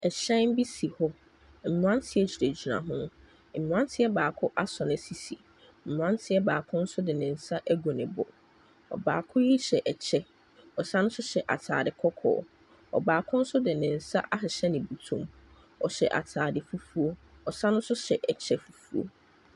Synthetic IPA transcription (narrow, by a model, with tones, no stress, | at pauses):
ɛ˨ɕɛ̃˦n˦bi˦si˨hɔ˦ | m̩˨m̃˨ã˦ntʰɪ˦ɛ˦t͡ɕʰi˨ɾe˨d͡ʑi˨nã̰˨ɦʊ̃˦ | m̩˨m̃˨ã˦ntʰɪ˦ɛ˦baː˨kʰʊ˦ʔa˦sɔ˨nɪ̃˨si˨sḭ˨ | m̩˨m̃˨ã˦ntʰɪ˦ɛ˦baː˨kʰʊ̃˦n̩˦sʊ˦dɪ˨nɪ̃˨n̩˨sa˦ʔæ˦ɡo˨nɪ̃˨bɔ̰˨ | ɔ̰˨ba̰ː˨kʰʊ̃˦ji˦ɕɛ˨ʔɛ˨t͡ɕʰɛ˦ | ɔ˨sa˦nʊ̃˦sʊ˦ɕɛ˨ʔa̰˨tʰa̰ː˨dɪ˨kʰɔ˦kʰɔ̰ː˨˦ | ɔ̰˨baː˨kʰʊ̃˦n̩˦sʊ˦dɪ˨nɪ̃˨n̩˨sa̰˦ʔa˦ɦɪ˨ɕɛ˦nɪ̃˨bu˨tʰũ˦m | ɔ˨ɕɛ̰˨ʔa̰˨tʰaː˨dɪ˨fu˦fu˦o˦ | ɔ˨sã˦nʊ̃˦nsʊ˦ɕɛ˨ʔɛ˨t͡ɕʰɛ˦fu˨fu˦o̰˦˨